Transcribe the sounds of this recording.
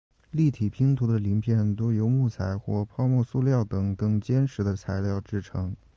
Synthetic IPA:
li˥˩t̪ʰi˨˩pʰi˧˥ŋt̪ʰu˧˥d̪ə˧li˧˥ŋpʰjɛ˥˩nt̪o˥ʊjo˧˥ʊmu˥˩t͡sʰa˧˥ɪxwɔ˥˩pʰɑ˥˧ʊmwɔ˥˧su˥˧ljɑ˥˩ʊt̪ɤ˨˩ŋkɤ˥˩ŋt͡ɕjɛ˥nʂʰɻ̩˧˥d̪ə˧t͡sʰa˧˥ɪljɑ˥˩ʊʈ͡ʂɻ̩˥˩ʈ͡ʂʰɤ˧˥ŋ

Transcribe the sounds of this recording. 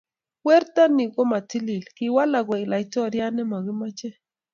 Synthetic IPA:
wɛ˦ɾt̪a˦ni˨ɡɔ˦ma˨ti˦li˨lkɪ˨wa˦la˨ɡɔ˨i˨la˨jtɔ˦ɾja˦nɛ˦ma˨ɡɪ˦ma˦t͡ʃɛ˦

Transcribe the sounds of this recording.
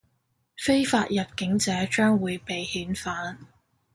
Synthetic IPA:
fe˥jfaː˧t̚jɐ˨p̚kɪ˨˥ŋt͡sɛː˨˥t͡ʃœː˥ŋwuː˨˧jpe˨jhiː˨˥nfaː˨˥n

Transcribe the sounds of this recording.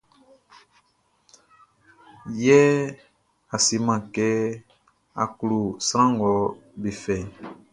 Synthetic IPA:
jɛ˦ | a˨si˨˦mã˨kɛ˦ | a̰˨ku˨lu˨sɾ̃ã˦ŋ˨ɡɔ˨˦be˨fɛ˨

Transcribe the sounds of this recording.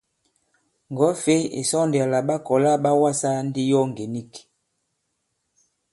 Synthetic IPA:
ŋ˨ɡɔ˨˦fe˦ḛ˨sɔ˦ndi˨a˨la˨ɓa˦kɔ˨la˦ɓa˦wa˦sa˦n˦di˦jɔ˦ŋ˨ɡe˨ni˦˨k

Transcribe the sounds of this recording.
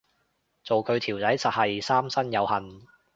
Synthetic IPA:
t͡so˨wkʰɵ˨˧ɥt̪ʰiː˨˩wt͡sɐ˨˥jsɐ˨hɐ˨jsaː˥msɐ˥njɐ˨˧whɐ˨n

